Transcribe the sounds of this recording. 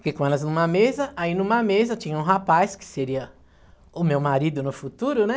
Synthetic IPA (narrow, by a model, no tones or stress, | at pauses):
pkekõɛlɐznũmɐmezɐainũmɐmezɐt͡ʃĩɲɐũɦapajskɪ̥seɾiɐ | ʊmewmaɾid̪ʊnʊfut̪uɾʊnɛ